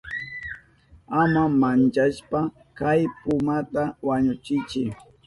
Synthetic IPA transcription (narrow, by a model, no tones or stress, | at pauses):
amamant͡ʃaʃpa | kajpʊmat̪awaɲʊt͡ʃɪt͡ʃɪ